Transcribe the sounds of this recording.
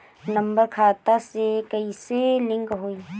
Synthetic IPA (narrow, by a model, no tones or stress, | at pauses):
nɐ̃mbəɾkʰaːt̪asekəiselɪ̃ŋkɦoːi